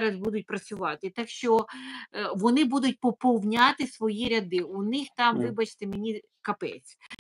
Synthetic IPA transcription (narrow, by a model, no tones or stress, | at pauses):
ɾɐzbud̪ʊt̚ʲpɾɐt͡sʲʊʋɑt̪ɪt̪ɑkʃt͡ʃɔ | ʋɔnɪbud̪ʊtʲpɔpɔwnʲat̪ɪsʋɔjiɾʲɐd̪ɪunɪxt̪ɑmʋɪbɐt͡ʃt̪emenʲi | kɐpɛ̰t͡sʲ